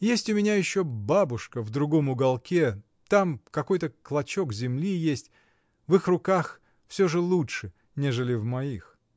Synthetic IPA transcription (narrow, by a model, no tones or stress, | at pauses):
jesʲtʲʊmʲɪnʲajɪɕːobabʊʂkəvd̪ɾʊɡo̞mʊɡɐlˠkʲe̞ | t̪amkɐko̞jt̪əklˠɐt͡ɕo̞kzʲɪmlʲijesʲtʲ | vɨxrʊkax | fsʲɵʐɨlˠutʂɨ | nʲeʐɨlʲɪvmɐix